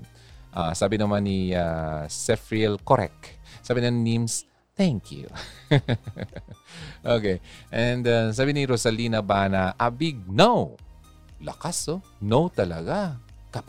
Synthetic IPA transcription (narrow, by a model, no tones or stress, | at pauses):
ʔa̰saːbɪnɐmanːiasɛfɾiɛlkoɾɛ̰ksaːbɪnɐnnims | t̪ɛŋkjṵ | ʔokejʔɛnd̪as̬aːbɪniɾosɐliːnɐbanɐʔɐbiɡ̚naw | lɐkaso | nowt̪ɐlɐɡa | kɐ